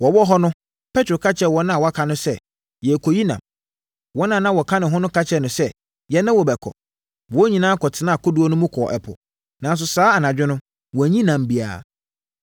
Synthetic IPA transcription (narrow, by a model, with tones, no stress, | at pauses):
wɔ˨wɔ˦ɦɔ˦nʊ̃˦ | pʰɛ˦tʰʊ˨kʰa˦t͡ɕʰɛ˨wɔ˦nʊ̃˦a˨wɔ˦a˦kʰa˨nʊ̃˦sɛ˦˨ | jɛ˨kʰo˨ji˦nã̰˨m | wɔ˦nã˦˨nã˦wɔ˨kʰã˦nɪ̃˨ɦʊ̃˦nʊ̃˦kʰa˦t͡ɕʰɛ˦nʊ̃˨sɛ˦ | jɛ˨nã˦wɔ˨bɛ˨kʰɔ̰˨ | wɔ˨˦ɲĩ˨nãː˦kʰɔ˨tʰɪ˨˦nã˦˨kʰɔ˦du˨˦ɔ˦nʊ̃˦mũ˦kʰɔ˨ʔɛ̰˨pʰʊ̰˨ | nã˨n˦s̬ʊ˨saː˦a˨nã˨d͡ʑᶣɪ˦nʊ̃˦ | wɔ˨æ˨ɲĩ˦nã˨m˨bi˨a̰ː˨